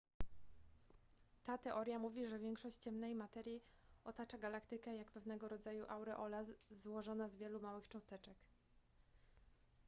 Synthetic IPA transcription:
t̪at̪ɛʔɔɾʲjamuvʲiʐɛvʲjɛŋkʂɔɕt͡ɕt͡ɕɛmnɛjmat̪ɛɾʲji | ɔt̪at͡ʂaɡalakt̪ɘkɛjakpɛvnɛɡɔɾɔd̪zajuʔawɾɛʔɔlazwɔʐɔnazvʲjɛlumawɘxt͡ʂɔ̃w̃st̪ɛt͡ʂɛk

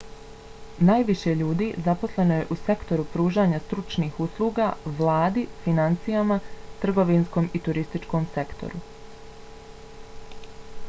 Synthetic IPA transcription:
naːjʋiʃe̞ʎuːd̪iːzapo̞slˠe̞no̞je̞ʔuse̞kt̪o̞ɾupɾuːʒaːɲast̪ɾut͡ʃniːhuslˠuːɡaʋlˠaːd̪ifinant̪sijamat̪r̩ɡo̞ʋinsko̞ːmit̪uɾist̪it͡ʃko̞ːmse̞kt̪o̞̰ɾu

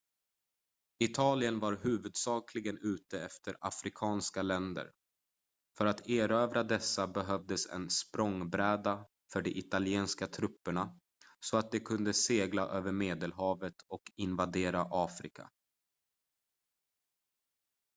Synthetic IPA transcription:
ɪt̪ʰɑːlɪənvaɾɦʉ̟ːvɵd̪sɑːkʰlɪɡənʉ̟ːt̪əɛft̪ʰəɾa̰fɾɪkʰɑːnskalɛnd̪ə̰ɾ | fœɾat̪ʰeːɾøːvɾad̪ɛsːabɛɦœvd̪əsɛ̰nspɾɔŋbɾɛːd̪a | fœɖɛʔɪt̪alɪeːnskat̪ʰɾɵpːəɳa | sɔat̪̚d̪ɛkʰɵnd̪əseːɡlaʔøːvəɾmeːd̪əlɦɑːvət̪ʰɔkɪnvad̪eːɾaʔɑːfɾɪ̰kʰa̰

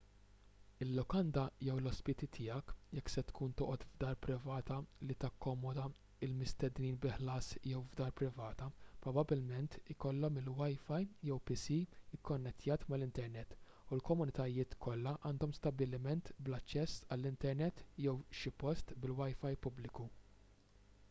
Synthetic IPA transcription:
ɪlːɔkɐnd̪ɐjɛwlɔspɪt̪it̪ʰɪːjɐkjɛkːsɛt̪kʰuːnt̪ɔːʔɔt̪vd̪ɐːɾpɾɪvɐːt̪ɐlit̪ɐkːɔmɔd̪ɐ | ɪlmɪst̪ɛd̪niːnbɪħlɐːsjɛwvd̪ɐːɾpɾɪvɐːt̪ɐpɾɔbɐbɪlmɛnt̪ɪkɔlːɔmɪlwɐjfɐjjɛwpɪsiɪkːɔnːɛt̪ːjɐːt̪mɐlɪnt̪ɛɾnɛt̪ː | ʊlkɔmʊnɪt̪ɐjɪːt̪kʰɔlːɐʔɐːnd̪ɔmst̪ɐbɪlɪmɛnt̪blɐt͡ʃːɛsːɐlːɪnt̪ɛɾnɛt̪ːjɛwʃɪpɔst̪bɪlwɐjfɐjpʊblɪku

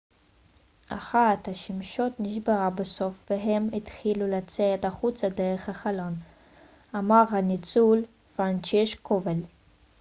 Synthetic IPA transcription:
ʔa̰χat̪haʃimʃo̞tniʃbeʁabeso̞fveɦemit̪χilulat͡set̪aχut͡sad̪eʁeχhaχalon | amaʁhanit͡sul | vant͡ʃeʃkʰovel

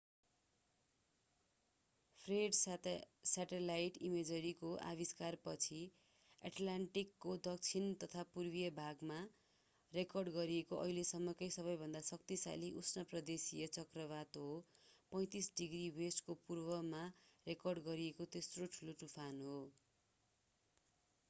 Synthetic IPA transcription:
pʰreɖ | saʈelajʈimed͡zʌɾikoʔa̰βiskarpʌt͡sʰi | a̰ʈlaɳʈikːod̪ʌk̚t͡sʰint̪ʌt̪ʰapurbijʌbʱaɡma | rekʌrɖɡʌɾiekoʔʌ̰ɦilesʌmːʌkʌjsʌβʌjbʱʌnd̪asʌk̚t̪isa̰liʔusʰnʌprʌd̪esijʌt͡sʌkrʌβat̪ɦopʌj̃t̪isɖiɡriwesʈkopurbʌmarekʌrɖɡʌɾiekot̪esroʈʰuloʈupʰanɦo

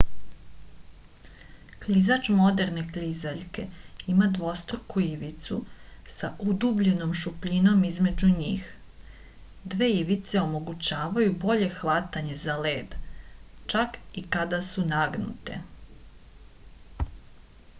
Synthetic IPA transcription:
klizat͡ʃmo̞d̪e̞ɾne̞klizaʎke̞imad̪ʋo̞st̪ɾokuiʋit̪sṵsaʔud̪uːbʎe̞no̞mʃupʎino̞mizme̞uɲiːx | d̪ʋe̞ːiʋit̪seo̞mo̞ɡut͡ɕaːʋajubo̞ʎe̞xʋat̪aɲe̞zale̞ːd̪ | t͡ʃakikad̪asunaɡnṵt̪ḛ

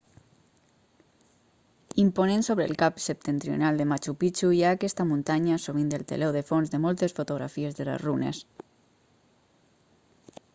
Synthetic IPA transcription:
imponensoβɾḛlˠkapsep̚t̪ent̪ɾio̰nalˠd̪emat͡ʃupit͡ʃujaːkɛst̪amunt̪aɲasoβind̪elˠt̪ḛloðefonzðemolˠt̪esfot̪oɣ̞ɾa̰fiezðelḛzrunḛs

